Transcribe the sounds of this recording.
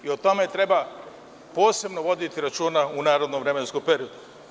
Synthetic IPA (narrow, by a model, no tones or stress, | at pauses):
iot̪o̞me̞t̪ɾe̞ba | po̞ːse̞bnoʋo̞d̪it̪iɾat͡ʃuːnaunaːɾo̞d̪nomʋvɾeme̞nskopeɾiod̪u